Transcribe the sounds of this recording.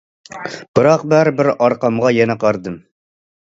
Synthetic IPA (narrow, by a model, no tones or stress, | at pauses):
b̥ɨɾɑqbæɾbɪɾɑɾqɑmʁɑjɛnɛqɑɾd̪ɨm